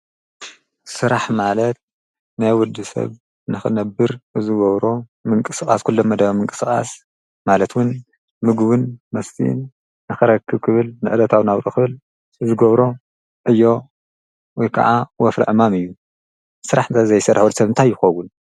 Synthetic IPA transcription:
sɨɾaħmalɐt̪̚ | najwɔd̪ɨsɐ̰β | nɨxɨnɐbɨɾʔɨzɨɡɐβɾo̞ | mɨŋkʼɨsɨxʼaskʰulːomːɐd̪ɐβɐmɨŋkʼɨ̥skʼa̰s | malɐt̪wʊn | mɨɡβɨnmɐst̪ʰḭnː | ɨxɨɾɐkʰːɨβkʰɨβɨlnɨʔɨd̪ɐt̪ʰawnawɾʼɨkʰɨβɨl | ɨzɨɡɐβɾo̞ | ʔɨjːo̞ | wɔjkʰa̰ʕawɔfɾɐ̰ʕɨmamɨjːu | sɨɾaħnt̪ʰɐzɐjsɐɾaħulsɐβɨnt̪ʰajːɪxɐwun

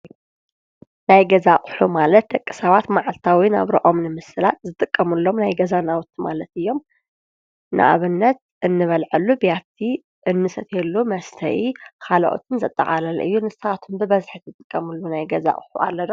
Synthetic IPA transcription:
najɡɐzaχʼħumalɐt̪̚d̪ɐkʼːi̥sɐβat̪maʕalt̪ʰawina̰βɾɐʔo̞mnɨmɨsɨlat̪̚zɨt̪ʼɨkʼːɐmɨlːo̞mnajɡɐzanawʊt̪ʰːimalɐt̪ɨjːo̞m | nɨ̰ʔa̰βɨnːɐt̪̚ | ʔɨnːɨβɐlʕɨlːubjat̪ʰːi | ʔɨnːɨsʼɐt̪ʰelːumɐst̪ʰɐ̰ʔikʰalɐ̰ʔo̰t̪ʰɨnzɐt̪ʼːɐ̰χʼalɐlɨjːunɨsɐat̪ʰumbɨβɐzħit̪ɨt̪ʼɨkʼːɐmɨlːunajɡɐza̰χʼħṵʔa̰lːɐd̪o

